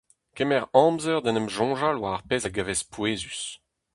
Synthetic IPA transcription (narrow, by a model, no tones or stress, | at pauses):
kɛmɛʁɑ̃ːmzɛʁd̪ɛnɛmʒɔ̃ʒalwaʁpeːzaɡavɛspweːzys